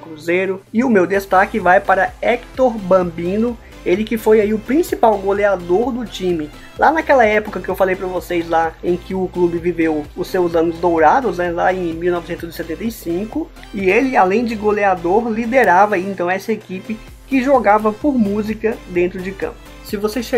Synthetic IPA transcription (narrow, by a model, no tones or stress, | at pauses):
kɾuzejɾʊɪʊmewd̪est̪akɪvajpaɾɐɛkt̪oɾbɐ̃bĩnʊ | elɪkɪfojaiʊpɾĩsipawɡolead̪oɾd̪ʊt͡ʃĩmɪ | lʔanɐkɛlɐɛpʊkɐkɪewfalejpɾɐvosejzlaẽj̃kɪʊklubɪvivewʊsewzɐ̃nʊzd̪owɾad̪ʊznɛlaẽj̃miwnɔvɪsẽnt̪ʊzɪsɛt̪ẽnt̪ejsĩkʊ | ɪelɪalẽj̃d͡ʒɪɡolead̪oɾlid̪eɾavɐiẽnt̪ɐ̃w̃ɛsɐekipɪ | kɪʒoɡavɐpoɾmuzikɐd̪ẽnt̪ɾʊd͡ʒɪkɐ̰̃pʊsɪvosesʃ